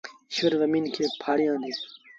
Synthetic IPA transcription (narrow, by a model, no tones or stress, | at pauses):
ɕeɾzɐmiːnkʰeːpʰaːɽijãːnd̪iː